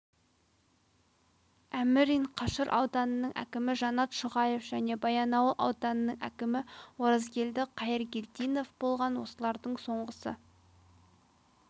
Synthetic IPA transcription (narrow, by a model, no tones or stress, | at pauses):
æmɪɾiɴqʰɑʃəɾʔɑ̰wd̪ɑnənəɴʔæ̰kʲɪmɪʒɑnɑt̪ʃʊʁɑje̞fʒ̥æne̞bɑjɑnɑwəlˠʔɑ̰wd̪ɑnənəɴʔæ̰kʲɪmɪwo̞ɾɑzɡʲe̞ld̪ɪqʰɑjəɾɡʲe̞lt̪ijno̞fbo̞lˠʁɑnwo̞səlˠɑɾd̪əɴso̞ɴʁəsə̰